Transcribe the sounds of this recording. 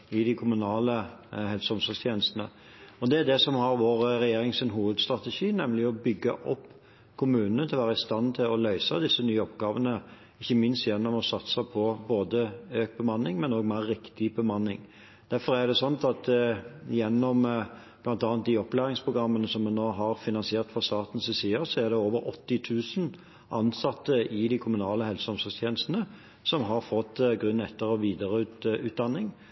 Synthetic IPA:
ɪd̪ɪkʰʊmʉnɑːləhɛlsɔmsɔlst̪ʰjeːnəst̪ənə̰ | ɔd̪ɛæd̪ɛsɔmhɑɾʋoːɾɾɛjeːɾɪŋsɪnɦuːʋəd̪st̪ɾɑt̪əʃiːnɛmlɪɔbʏɡːɑ̰ʔɔpː | kʰʊmʉːnənət̪ʰɪlʋæːɾəɪst̪ɑnt̪ʰɪlɔlœʏsɑd̪ɪsːənyːəɔpɡɑːʋənə | ɪçːəmɪnst̪jɛnːɔmɔsɑt̪sɑpʰɔboːd̪əøːk̚bəmɑnːɪŋmɛnoːɡmæɾːɪkt̪ɪbəmɑnːɪ̰ŋ | d̪̥æɾfɔʁæd̪ɛsɔnt̪ɑt̪jɛnːɔm | b̥lɑnt̪ɑːnt̪̚d̪ɪɔplæːʁɪŋspʰʁʊɡɾɑmːənəsɔmːɛnːoːɦɑʁfɪnɑnsɪeːʁt̪fɔʁst̪ɑːt̪n̩sɪsiːəsɔæʁd̪ɛoːʋəɾɔt̪ːɪt̪ʰʉːsn̩ | ʔɑnsɑt̪ːəɪd̪ɪkʰʊmʉnɑːləɦɛlsəɔmsɔst̪jeːnəst̪nə | sɔmɦɑʁfɔt̪ːɡɾʉnːɛt̪ːəɾɔʋiːd̪əɾəʉʉːt̪̚d̪ɑnːɪŋ

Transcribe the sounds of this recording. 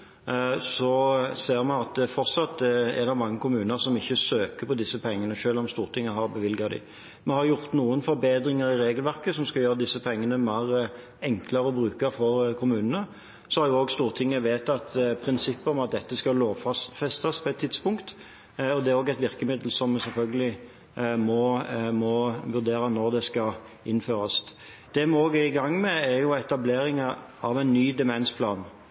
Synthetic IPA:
sɔseːɾmɛɑt̪fɔʁt̪sɑt̪̚d̪ɛɛ̰d̪ɑmɑŋːəkʰʊmʉːnəɾsɔmɪçːəsøːkəpʰɔd̪ɪsːəpʰɛŋːənəʃøːlɔmst̪uːɾt̪ʰɪŋːəɦɑɾbəʋɪlɡɑd̪ɪ̰ | mɛhɑɾjʊʁt̪nuːənfɔɾbeːd̪ɾɪŋəɾɪɾeːɡəlʋæʁkəsɔmskɑljøːɾəd̪ɪsːəpʰɛŋːənəmæːʁ | ɛŋkʰləɾəɔbɾʉːkəɾfɔɾkʰʊmʉːnənə | sɔhɑɾjʊoːɡst̪uːɾt̪ʰɪŋːəʋeːt̪ɑt̪pʰɾɪnsɪpːəɔmɑt̪̚d̪ɛt̪ːəskɑloːʋfɑst̪fɛst̪ɑspʰɔɛt̪ʰːɪd̪spʊŋkt̪ | ɔd̪ɛæɾoːɡɛt̪ʋɪɾkəmɪd̪l̩sɔmsɛlfœlɡəlɪ | mɔmɔʋʉʁd̪eːɾənɔʁd̪ɛskɑ | ɪnːføːɾɑs | d̪̥ɛmoːɡæɪɡɑŋːmɛæjʊɛt̪ɑbleːɾɪŋɑɑʋæɪnːyːd̪ɛmɛnspʰlɑ̰ːn

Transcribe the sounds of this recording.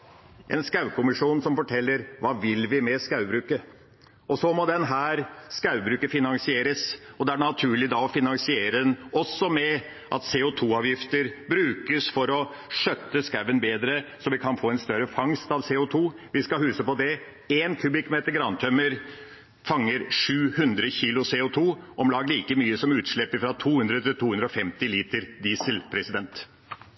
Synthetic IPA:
ʔɛ̰nskɑʉʋkʊmɪʂuːnsɔmfɔʈʰɛlːəɾʋɑːʋɪlʋɪmɛskɑʉbɾʉːkə | ɔsɔmɔd̪ɛnɦæːɾskɑʉbɾʉːkəfɪnɑŋsɪeːɾəsɔd̪ɛæɖɳɑt̪ʰʉːɭɪd̪ɑɔfɪnɑŋsɪeːɾəɛnɔsːɔmɛ | ʔɑt̪seːʊt̪ʰuːɑːʋjɪft̪əɾbɾʉːkəsfɔɾɔ | ʂœt̪ːəskɑʉʋənbeːd̪ɾəsɔʋɪkʰɑnfoːɛnst̪œɾəfɑŋst̪ɑʋseːʊt̪ʰuː | ʋɪskɑɦʉːsəpɔd̪ɛ | eːnkʰʉb̪ɪkmeːt̪əɾɡɾɑnt̪ʰœməɾ | fɑŋːəɾʂʉːhʉnd̪ɾəçiːlʊseːʊt̪ʰuːʔɔmlɑːɡəliːkəmyːəsɔmʉːt̪ʂɭɛpːəfɾɑt̪ʰuːhʉnd̪ɾət̪ʰɪlt̪ʰuːhʉnd̪ɾɔfɛmt̪ɪliːt̪əɾd̪iːsəlpʰɾɛsɪd̪ɛnt̪

